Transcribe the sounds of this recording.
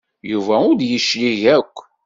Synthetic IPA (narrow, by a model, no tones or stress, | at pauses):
juvæʊɾd̪jəʃliʝækʷː